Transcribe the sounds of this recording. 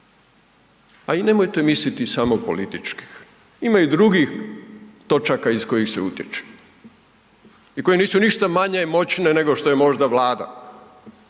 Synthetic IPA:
aine̞mojt̪e̞mislit̪isamopo̞̰lit̪it͡ʃki̥x | imajud̪ɾuɡixt̪o̞t͡ʃakaisko̞jixseut̪jet͡ʃe̥ | iko̞je̞niːsuniʃt̪amaɲemo̞t͡ɕne̞ne̞ɡo̞ʃt̪o̞je̞mo̞ʒd̪aʋlaːd̪a̰

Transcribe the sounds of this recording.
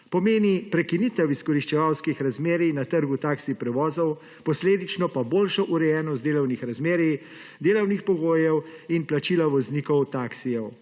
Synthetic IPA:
pɔmeːnipɾɛkinit̪ɛwiskɔɾiʃt͡ʃɛʋawskixɾazmeːɾinat̪əɾɡut̪aːksipɾɛʋɔːzɔw | pɔsleːd̪it͡ʃnɔpaboːlʃɔʔuɾɛjɛːnɔst̪d̪eːlɔwnixɾazmeːɾi | d̪eːlɔwnixpɔɡoːjɛwinplat͡ʃiːlaʋɔzniːkɔwt̪aksijɛw

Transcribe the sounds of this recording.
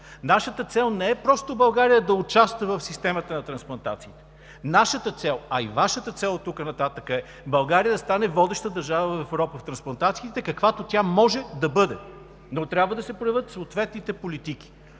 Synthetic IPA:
naʃət̪ət̪sɛlˠnɛɛpɾɔst̪obɐlˠɡaɾijəd̪ɐʊt͡ʃast̪vəvəfsist̪ɛmət̪ənɐt̪ɾɐ̃nsplˠɐnt̪at̪siːt̪ɛ̥ | naʃət̪ət̪sɛlˠɐḭvaʃət̪ət̪sɛlˠt̪ukənɐt̪at̪əkəɛ | bɐlˠɡaɾiəd̪ɐst̪anɛvɔd̪ɛʃt̪əd̪ɐɾʒavəvɐfɛvɾɔpəft̪ɾɐ̃nsplˠɐnt̪at̪siːt̪ɛkɐkvat̪ot̪ʲamɔʒɛd̪ɐbɤd̪ɛ | not̪ɾʲjabvəd̪ɐsɛpɾojɐvɤt̪soːt̪vɛt̪nit̪ɛpolit̪ik̟i̥

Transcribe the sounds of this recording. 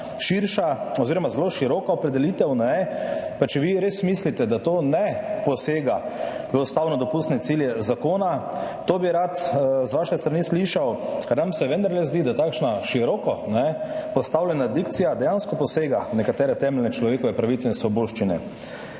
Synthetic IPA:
ʃiɾʃaɔziɾɔmazloʃiɾɔːkaɔpɾɛd̪ɛliːt̪ɛwnɛpat͡ʃɛʋiɾeːsmislit̪ɛd̪at̪oːnɛpɔseːɡaʋəɔst̪aːwnɔd̪ɔpust̪nɛt̪siljɛzakoːnat̪oːbiɾat̪zʋaʃɛst̪ɾanisliʃawkaɾnamsɛʋɛnd̪aɾlɛzd̪id̪at̪akʃnaʃiɾɔkɔnɛpɔst̪awlʲɛnad̪ikt̪sijad̪ɛjanskɔpɔseːɡanɛkat̪ɛːɾɛt̪ɛmɛlʲnɛt͡ʃlɔʋeːkɔʋɛpɾaʋit̪sɛinsʋɔboʃt͡ʃinɛ̰

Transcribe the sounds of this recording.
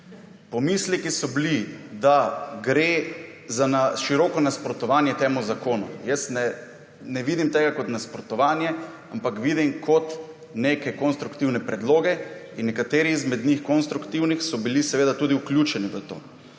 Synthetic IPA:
pɔmislikisɔblid̪aɡɾezanaʃiɾɔːkɔnaspɾɔt̪ɔʋaːnjɛt̪eːmuzakoːnṵjəst̪nɛ | nɛʋiːd̪imt̪eːɡakɔt̪naspɾɔt̪ɔʋaːnjɛ | ampakʋid̪imkʰɔt̪ | neːkɛkɔnst̪ɾukt̪iwnɛpɾɛd̪loːɡɛinːɛkat̪eːɾiːzmɛd̪nixkɔnst̪ɾukt̪iwnixsɔbilisɛʋeːd̪at̪uːd̪iuklʲjut͡ʃɛniʋət̪o̰ː

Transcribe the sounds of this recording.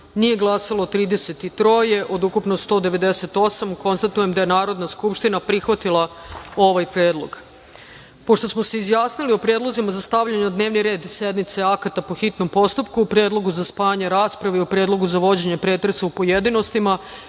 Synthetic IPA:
nije̞ɡlˠasalˠot̪ɾiːd̪ese̞t̪it̪ɾo̞je̞ʔo̞d̪ukupnost̪o̞d̪e̞ʋe̞d̪ese̞t̪o̞ːsamko̞nst̪at̪uje̞md̪ajenaːɾo̞d̪naskupʃt̪inapɾixʋat̪ilˠao̞ʋajpɾje̞ːd̪lˠo̞̰ɡ | po̞ʃt̪o̞smoseizjaːsnilio̞pɾje̞ːd̪lo̞zimazast̪aʋʎaɲd̪neːʋniɾe̞ːd̪se̞d̪nit̪seakat̪apo̞xit̪no̞mpo̞st̪upkuːpɾjeːd̪lˠo̞ɡuzaspaːjaɲeɾaːspɾaʋeiopɾjeːd̪lˠo̞ɡuzaʋo̞d͡ʑe̞ɲepɾeːt̪ɾesaupojed̪inost̪ima

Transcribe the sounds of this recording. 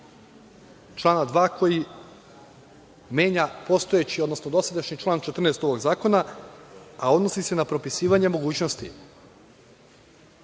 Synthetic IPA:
t͡ʃlˠaːnad̪ʋaːkʰo̞ji | me̞ːɲapo̞st̪o̞et͡ɕiod̪no̞snod̪o̞sad̪aʃɲit͡ʃlˠaːnt͡ʃe̞t̪r̩nest̪o̞ʋo̞ɡzaːko̞na | ao̞d̪no̞sise̞napɾo̞pisiːʋaɲe̞mo̞ɡuːt͡ɕnost̪ḭ

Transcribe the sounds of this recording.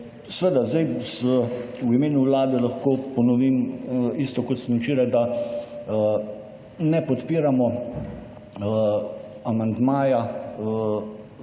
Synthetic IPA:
sʋəd̪azd̪ajzəwimeːnuwlaːd̪ɛlɐxkoːpɔnɔʋiːmist̪ɔkɔt̪snɛwt͡ʃiːɾajd̪a | nɛpɔt̪piːɾamɔ | amand̪maːja

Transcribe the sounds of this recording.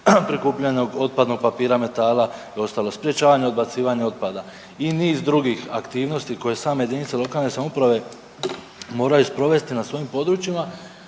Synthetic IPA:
pɾikuːpʎano̞ɡo̞t̪̚pad̪no̞ɡ̚papiːɾame̞t̪aːlˠaeo̞st̪aːlo̞spɾje̞t͡ɕaːʋaɲeo̞d̪̚bat̪siːʋaɲeo̞t̪̚pad̪a | iniːzd̪ɾuɡixakt̪iːʋno̞st̪iko̞je̞saːmeje̞d̪iːnit̪selo̞kaːlˠne̞samupɾaʋe̞ | mo̞ːɾajuspɾo̞ʋe̞st̪inasʋo̞impo̞d̪ɾut͡ʃima

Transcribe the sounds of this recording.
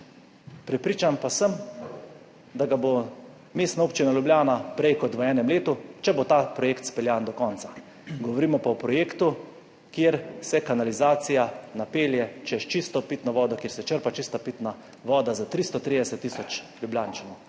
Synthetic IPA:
pɾɛpɾiːt͡ʃampasəm | d̪aɡabo | meːst̪nauːpt͡ʃinaljublʲjaːnapɾɛjkɔt̪ʋəɛːnɛmleːt̪ut͡ʃɛbot̪apɾɔjeːkt̪spɛljaːnd̪ɔkɔːntsḁ | ɡɔʋɔɾiːmɔpaɔpɾɔjeːkt̪u | kjeːɾsɛkanalizaːt̪sijanapeːljɛt͡ʃɛjɛʃt͡ʃist̪ɔpit̪nɔʋɔːd̪ɔkjeːɾsɛt͡ʃəɾpat͡ʃist̪apit̪na | ʋɔːd̪azat̪ɾist̪ɔt̪ɾid̪ɛsɛt̪ːisɔt͡ʃljublʲjaːnt͡ʃanɔw

